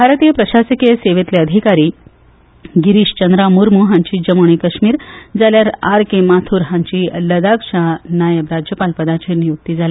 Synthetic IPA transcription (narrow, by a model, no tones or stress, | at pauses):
bʱaɾt̪iːjəpɾəɕasikseʋet̪leəd̪ʱikaɾiː | ɡiɾiːɕt͡ɕənd̪ɾamuɾmuɦãɲt͡ɕiːd͡ʑəmoɳ̃ikəɕmiːɾd͡zaljaɾaɾkemat̪ʰuɾɦãɲt͡ɕiːləd̪akɕanajəbɾad͡ʑjəpalpəd̪at͡ɕenijuk̚t̪iːd͡zale